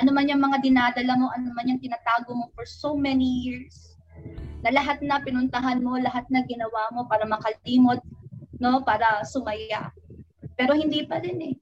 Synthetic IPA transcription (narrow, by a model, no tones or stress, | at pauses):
ʔɐnomanjɐŋmɐŋad̪ɪnaːd̪ɐlɐmo̞ʔɐnomanjɐŋt̪ɪnaːt̪aːɡomo̞foɹsowmɛnijiɹs | nɐlɐɦat̪̚nɐpɪnʊnt̪ɐɦanmo̞lɐɦat̪̚nɐɡɪnɐwamo̞paːɾɐmɐkɐliːmo̞t̪̚no̞paːɾɐsʊmɐja̰ | pɛːɾo̞hɪnd̪iːpɐɾɪnɛ